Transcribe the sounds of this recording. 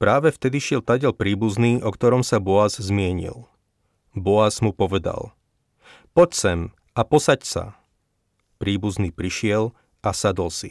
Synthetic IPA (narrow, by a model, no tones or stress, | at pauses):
pɾaːʋɛft̪ɛd̪iʃɪɛlt̪aɟɛlpɾiːbuzniːʔɔkt̪ɔɾɔmsabɔazzmɪɛɲḭl | bɔazmupɔʋɛd̪a̰l | pɔcsɛm | apɔsacsa̰ | pɾiːbuzniːpɾiʃɪɛl | asad̪ɔlsi